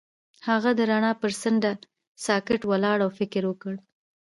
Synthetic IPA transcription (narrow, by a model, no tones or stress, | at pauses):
haɣad̪əɾaɳɑpəɾsəɳɖa | sɑkɪʈwalɑɽawfɪkɪɾwəkəɽ